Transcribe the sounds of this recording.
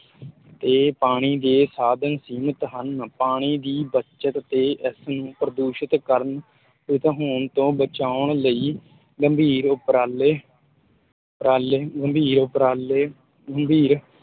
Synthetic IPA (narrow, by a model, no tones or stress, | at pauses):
t̪eːpaːɽ̃iːd̪eːsaːd̪ənsiːmət̪ɦənpaːɽ̃iːd̪iːbət͡ʃət̪ːeːʔɪsnũːpɾəd̪uːʃət̪kəɾən | pɪt̪ɦoːɳt̪õːbət͡ʃaːʊɳləiː | ɡəmbʱiːɾʊpɾaːleː | pɾaːleːɡəmbʱiːɾʊpɾaːleː | ɡəmbʱiːɾ